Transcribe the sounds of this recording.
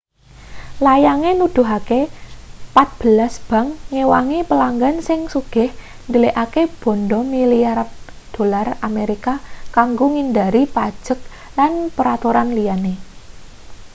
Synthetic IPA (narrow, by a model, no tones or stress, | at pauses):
lajaŋenud̪̥ṳɦake | pat̪̚b̥ə̤lasb̥ä̤ŋːewaŋepəlaŋɡansɪŋsuɡ̥ɪ̤h | nd̪əleʔakeb̥ɔ̤nɖɔmiliard̪̥o̤larameɾikakaŋɡoŋind̪aɾipad̥ʒ̥ə̤k̚ | lanpəɾat̪uɾanlijane